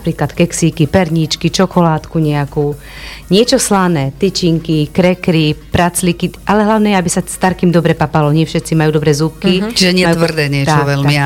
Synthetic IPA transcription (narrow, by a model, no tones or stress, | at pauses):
napɾiːklat̪kɛksikipɛɾɲit͡ʃkit͡ʃɔkɔlaːt̪kuɲɛakuː | ɲɪɛt͡ʃɔslanɛːt̪it͡ʃiŋkikɾɛkɾipɾat͡slikiʔalɛɦlaʊnɛjɛabisast̪aɾkiːmd̪ɔbɾɛpapalɔɲɪɛfʃɛt̪t͡simajuːd̪ɔbɾɛːzup̚kit͡ʃiʒɛɲɪɛt̪ʋr̩d̪ɛːɲɪɛt̪t͡ʃaɔʋɛlmi